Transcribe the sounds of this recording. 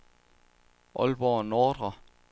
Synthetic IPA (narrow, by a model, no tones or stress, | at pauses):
ʔɔ̽lb̥ɒ̰ːnoːd̥ʁɐ